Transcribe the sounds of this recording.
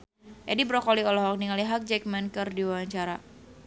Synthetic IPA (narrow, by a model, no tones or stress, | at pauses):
ʔɛdibɾɔkɔliɔlɔɦɔk̚niŋaliɦak̚d͡ʒɛk̚mɛnkərdiwawaɲt͡ʃaɾa